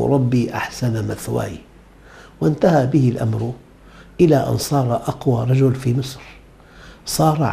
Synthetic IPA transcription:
ɾˤɑbːiːʔa̰ħsanamaθwa̰ːjḭ | wɪnt̪ahabɪhɪlʔa̰mɾ | ʔɪlaʔa̰nsˤɑːɾˤɑʔɑqwaɾˤɑd͡ʒʊlfimɨsˤɾ | sˤɑːɾˤʕ

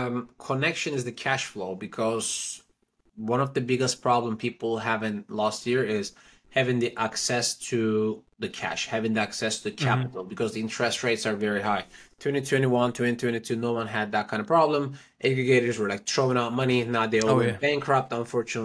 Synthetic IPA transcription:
kʰənɛkʃɨ̃nɨzðɨkʰæʃfloʊbɨkʰɔz̥ | wʌ̃nʌvðɨbɪɡəs̚pʰɹ̥ɑblə̃mpʰipl̩ˠɦævɨ̃ntlɔst̚hiɹɪz̥ | hævɪ̃ŋðiʔæksɛstʰɨ | ðɨkʰæ̰ʃhævɪ̃ŋðiæksɛstʰɨðɨkʰæpɨɾl̩ˠbɨkʰʌzðiɪ̃nt͡ʃʰɹ̥ɛst̚ɹeɪtsə˞vɛɹiɦaɪtʰw̥ɛ̃ñtitʰw̥ɛ̃ñiwʌ̃ntʰw̥ɛ̃ntitʰwɛ̃ñtitʰʉnoʊwʌ̃nɨd̪̚ðɨt̚kʰãɪ̃ndʌvpʰɹ̥ɑblə̃m | ʔɛɡɹɨɡeɪɾə˞zwə˞laɪk̚tʰɹ̥oʊɪ̃ŋaʊt̚mʌninaʊðeɪbæ̃ŋkʰɹap̚tə̃ɱfɔɹt͡ʃɨnə

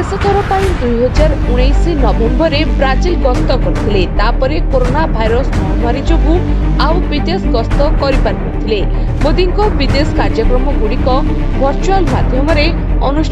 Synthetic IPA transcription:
esɔt̪ɔɾɔpaĩd̪ujɦɔd͡ʒaɾuɽ̃ejsinɔbembɔɾebɾad͡ʒilɡɔst̪ɔkɔɾit̪ʰilet̪apɔɾekoɾonabʱajɾɔsmɔɦɔmaɾid͡ʒɔɡu | awbid̪esɡɔst̪ɔkɔɾipanɦɔt̪ʰile | bod̪iŋkɔbid̪eskaɾd͡ʒɔkɾɔmɔɡuɽ̃ikɔ | bʱɔɾt͡ʃualmad̪ʱjɔmɔɾe | ɔnuʃ

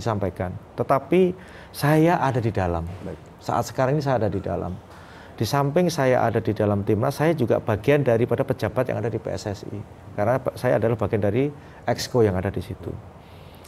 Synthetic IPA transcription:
disampajkant̪ət̪api | sajaʔadadidalam | sa̰ʔa̰t̪sə̥kaɾaŋinis̬ajaːdadida̰la̰m | d̥isampɪŋsaja̰ʔa̰dadidalamt̪imnasajad͡ʒuɡa̰b̥aɡiandaɾipadapəd͡ʒabat̪̚ja̰ŋadadipḛɛ̰sɛsḭ | kaɾənasajaːdalahbaɡiandaɾi | ɛkskojaŋadadisit̪ṵ

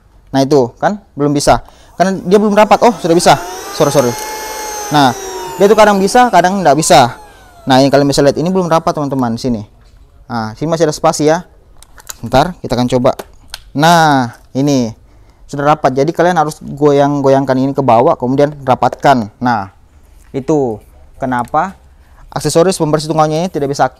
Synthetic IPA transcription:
nahit̪̬ukanbəlʊmbisa | karnadiabəlʊmrapat̪ɔhsudahbisasoɾisoɾi | nahdiait̪ukadaŋbisakadaŋndaʔbisa | nainikaliaŋbisaliat̪inibəlʊmrapat̪ːəmant̪əmandisini | ʔəsinimas̬iadasə̥pasija | sənt̪arkit̪akant͡ʃoba̰naini | sudarapat̪̚d͡ʒadikalianɦaɾʊsɡojaŋɡojaŋkaninikəbawaʔkəmudianrapat̪̚kanːah | it̪u | kənapa | ʔa̰ksesoɾɪspəmbərs̬it̪uŋawɲainit̪idaʔbisa

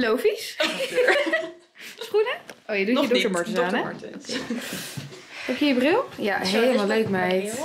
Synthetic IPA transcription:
lowfis | sχunəoːjəduədʊəmɔɹtəsaːnɛoke | hɛpjəjəbrɪlˠjaɦeləmalˠløɥkmɛj

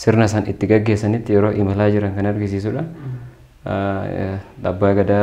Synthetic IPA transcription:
sɪɾnɐsɐnɪt̪ːɪɡɐɡːeːsɐnɪt̪ːɪjɛɾoːʔɪmɐlaːd͡ʒɪɾɐŋkɐnɐrɡɪs̬isuᶑɐ | ᶑ̪ɐbːaːɡɐd̪a

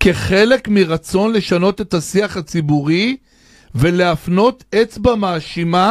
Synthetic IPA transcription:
keχe̞le̞kmiʁat͡so̞nle̞ʃano̞t̪e̞t̪asiaχhat͡sibuʁi | ve̞leafno̞te̞t͡sbamaːʃima

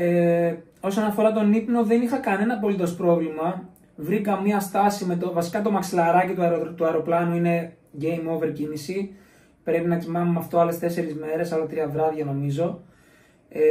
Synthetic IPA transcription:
e | o̞so̞nɐfo̞ɾɐt̪̬o̞nipno̞ðe̞nixɐkɐne̞nɐpo̞lit̪o̞spɾo̞vlimɐ | vɾikɐmiɐst̪ɐsime̞t̪ovɐsi̥kɐt̪o̞mɐksilɐɾɐcit̪uɐt̪uɐeɾo̞plɐnuine̞ | ɟe̞jmo̞ve̞ɾcinisi | pɾe̞pinɐcimɐnumɐft̪o̞ɐle̞st̪e̞se̞ɾizme̞ɾe̞sɐlot̪ɾiɐðɾɐðʝɐno̞mizo̞

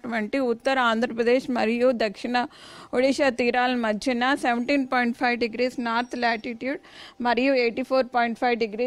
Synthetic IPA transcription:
ʈʋɐɳʈiʊt̪ːɐɾaːnd̪ɾɐpɾɐd̪eːʃmɐɾɪjuːd̪ɐkʂɪɳɐʊɻɪʃat̪iːɾaːlmɐd͡ʒɪnaːsɛʋɐɳʈiːnpɔːɪɳʈfɐɪʋɖɪɡɾiːsnaːɾt̪laːʈɪʈjuːɖmɐɾɪjuːeːʈːifoːɾpɔːjɪɳʈfɐɪʋɖɪɡɾiː

